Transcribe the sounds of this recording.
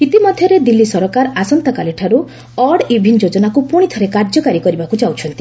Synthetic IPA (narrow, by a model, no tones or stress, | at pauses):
it̪imɔd̪ʱjɔɾed̪ilːisɔɾɔkaɾasɔnt̪ɔkaleʈʰaɾu | ɔɽibʱind͡ʒod͡ʒɔnakupuɽ̃it̪ʰɔɾekaɾd͡ʒɔkaɾikɔɾibakut͡ʃawt͡ʃʰɔnt̪i